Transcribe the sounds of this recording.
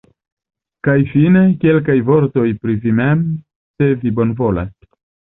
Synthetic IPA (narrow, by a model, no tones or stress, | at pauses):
kajfine̞ke̞lk̬ajvo̞ɾto̞jpɾivimem | se̞vibo̞nvo̞la̰s